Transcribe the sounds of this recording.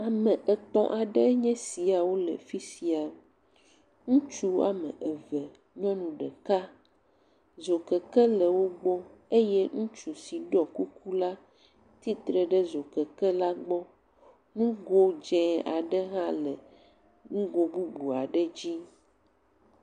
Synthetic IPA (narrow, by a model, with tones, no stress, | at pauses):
a˨mə̃˨ʔɛ˨t̪ɔ̰̃˨ʔa˨ɖə˦ɲɛ̃˦si˨a˨wo˦lə̰˨fi˦si˨a˨ | ŋũ˦t͡ʃu˦a̰˨mə̰̃˨ʔɛ˨vɛ˨ | ɲɔ̃˦nũ˨ɖə˨ka˦ | zo˨kə˨kɛ˦lə˨wo˦ɡ͡bɔ˦e˦jɛ˦ŋũ˦t͡ʃu˨si˨ɖɔ˦˨ku˦ku˦la˦ | t̪i˦t̪ɾə˨ɖə˦zo˨kə˨kə˦la˦ɡ͡bɔ˦ | nũ˦ɡo˦d͡ʒɛ̃˦a̰˨ɖə˦ɦã˦lə˨ | ŋũ˦ɡo˦bu˦bu˨a˨ɖə˦d͡ʑi˦